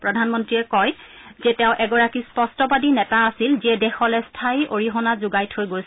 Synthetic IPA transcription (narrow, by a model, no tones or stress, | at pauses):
pɹɔdʱanmɔntɹiɛkɔj | zɛtɛʊ̃ʔɛɡɔɹakispɔstɔpadinɛtaːsilziɛdɛxɔlɛstʰajʔoɹiɦɔnazuɡajtʰhojɡojs